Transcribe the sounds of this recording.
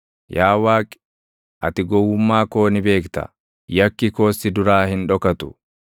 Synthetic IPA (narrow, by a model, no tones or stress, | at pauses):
jaːwaːkʼɪ̥ | ʔɐ̰t̪ɪɡɔwːʊmːaːko̞ːnɪbe̞ːkt̪ɐ̰ | jɐkːɪko̞ːsːɪd̪ʊɾaːhɪnᶑɔkɐt̪ʊ̥